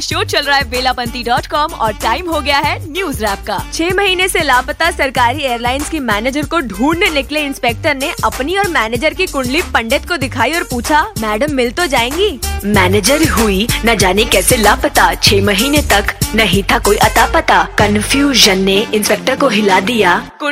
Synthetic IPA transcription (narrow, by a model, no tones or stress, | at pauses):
ʃoːʈ̚t͡ʃɐlɾaːɦɛʋeːlapɐ̃nt̪iɖɔːʈkɔːmɔːɾʈaːɪmɦoɡɐjaɦɛnjuːzɾɛːp̚kaːt͡ʃʰeːmɐɦiːneselaːpət̪asɐɾkaːɾieːjəɾlaːɪnskimɛːneːd͡ʒəɾkoɖʱuːɽnenɪkleɪ̃nspeːk̚ʈəɾneʔɐpniɔːɾmɛːneːd͡ʒəɾkikʊ̃ɳɖlipɐ̃ɳɖət̪kod̪ɪkʰaːiɔːɾpuːt͡ʃʰamɛːɖəmːɪlt̪od͡ʒaːẽːŋɡiːmɛːneːd͡ʒəɾɦuinɐd͡ʒaːnekɛːselaːpət̪at͡ʃʰeːmɐɦiːnet̪ɐknɐɦĩt̪ʰakoːiʔɐt̪aːpɐt̪akɐnfjuːʒənːeɪ̃nspeːk̚ʈəɾkoɦɪlad̪ijaːkʊ